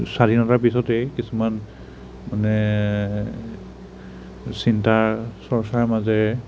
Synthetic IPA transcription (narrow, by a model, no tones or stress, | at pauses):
sadʱinɔtaɹpisɔtɛkisuman | manɛ | sintaɹsɔɹsaɹmazɛ